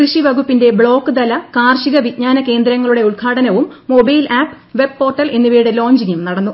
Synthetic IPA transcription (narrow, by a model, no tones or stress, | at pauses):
krɨʂiʋɐɡupːinde̞bɭo̞ːkːɨd̪ɐlɐkaːrʂiɣɐʋit̚ɲaːnɐke̞ːnd̪ɾɐŋːɐɭuɽe̞uɭkʰaːɽɐnɐʋumːo̞bɐjlʔaːpː | ʋe̞b̚ːo̞ːrʈːɐle̞nːuʋiːɽelo̞ːɲd͡ʑiŋjumnɐɽɐnːu